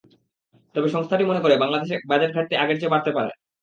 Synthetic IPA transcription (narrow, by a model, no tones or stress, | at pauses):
t̪ɔbeʃɔŋst̪ʰaʈimonekoɾebaŋlad̪eʃebad͡ʑeʈ̚ɡʰʱaʈ̚t̪eaɡeɾt͡ɕebaɾt̪epaɾḛ